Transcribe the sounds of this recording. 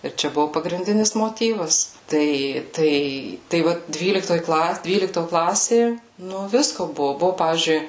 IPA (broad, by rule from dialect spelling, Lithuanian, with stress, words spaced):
ɪr ˈt͡ʃʲɛ ˈbʊʋoː pɐɡrʲɪnʲˈdʲɪnʲɪs moːˈtʲiːʋɐs ˈtɐɪ ˈtɐɪ tɐɪ ˈʋɐ ˈdʲʋʲiːlʲɪktoːj ˈklˠɐ ˈdʲʋʲiːlʲɪktoː ˈklˠɑːsʲeː ˈnʊ ˈʋʲɪskoː ˈbʊʋʊ ˈbʊʋʊ ˈpɑːʋʲiːzʲd͡ʒʲʊɪ